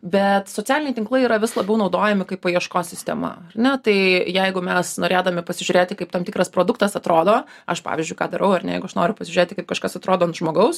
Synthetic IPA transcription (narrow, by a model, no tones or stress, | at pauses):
bʲɛt̪soːt͡sʲæːlɪnʲɛɪt̪ʲɪŋklˠɐɪiːɾɐʋʲɪslˠɐbʲɛʊnɒʊd̪oːjɛmʲɪkɐɪpɐiɛʃkoːsʲɪsʲt̪ʲɛ̰mɐ̰ɐrnʲɛt̪ɐɪjɛɪɡʊmʲɛsnoːɾʲeːd̪ɐmʲɪpɐsʲɪʒʲʊɾʲeːt̪ʲɪkɐɪpt̪ɐmt̪ʲikɾɐspɾoːd̪ʊkt̪ɐsɐt̪ɾoːd̪oːɐʃpɑ̰ːʋʲɪzʲd͡ʒʊɪkɑːd̪ɐɾʔɐʊɐrnʲɛjɛɪɡʊɐʃnoːɾʲʊpɐsʲɪʒʲʊɾeːt̪ʲɪkɐɪp̚kɐʃkɐsɐt̪ɾoːd̪oːɐnt̪ʒmoːɡɐʊs